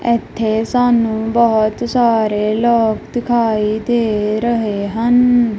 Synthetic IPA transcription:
ɛːt̪ʰːeːsaːnũːbəɦt̪saːɾeːlɔːkd̪ɪkʰaːiːd̪eːɾəɦeːɦən

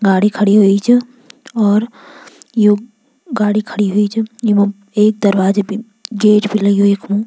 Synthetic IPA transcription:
ɡaːɽikʰɐɽiɦoit͡ʃʰ | ɔːɾ | jo | ɡaːɽikʰəɽiɦʊit͡ʃʰjomɛ | eːk̚d̪ɐɾwaːd͡ʒebi | ɡeːʈbʱilɐiɦoeːkʰmũː

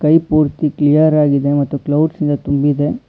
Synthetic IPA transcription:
kɐjpuːɾt̪iklijɐɾaːɡid̪e̞mɐt̪ːuklɐwɖsind̪ɐt̪umbid̪e̞

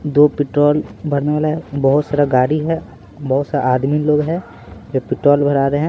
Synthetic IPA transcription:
d̪oːpɪʈɾoːlbʱɐɾneʋaːlaɦɛbɐɦʊt̪saːɾaɡaːɾiɦɛ | bɐɦʊt̪saa̰ʔaːd̪miloːɡɦɛ | d͡ʒopɪʈɾoːlbʱɐɾaːɾeɦɛ̃ː

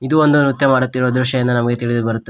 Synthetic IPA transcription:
id̪uond̪uut̪jɐmaːɽut̪ːiɾod̪ɾuʂɐjind̪ɐnɐmɐɡet̪iɭid̪ubɐɾut̪ːe

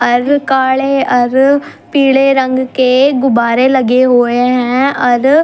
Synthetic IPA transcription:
əɾkaːɭeəɾ | piːɽeːɾə̃ŋɡkeːɡʊbaːɾeləɡeɦoːeɦɛ̃ɔɾ

